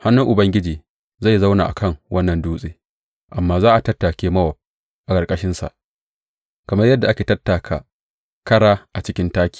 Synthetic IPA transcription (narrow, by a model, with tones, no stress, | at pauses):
ha˦nːʊ˦ŋʔʊ˨bɐ˦ŋɡʲɪ˦d͡ʒiː˨ | za˦˨jza˦wna̰ː˨ʔa˨kɐ˦˨ŋwʔɐ˦nːɐ˨nduː˦sʼeː˦ | ʔa˨mːaː˦zaː˦ʔa˨tɐ˦tːaː˨kʲeː˦mɐ˦wɐ˨p̚ | ʔa˨kʼɐ˨ɾkʼɐ˦ʃɪ˦nsa̰˨ʔ | kɐ˨mɐ˦rjɐ˦dːa˨ʔa˦kʲeː˨tɐ˦tːaː˨kʰa̰ː˨ | kɐ˦ɽaː˦ʔa˨t͡ʃɪ˦kʲɪ˦ntaː˦kʲi̥ː˨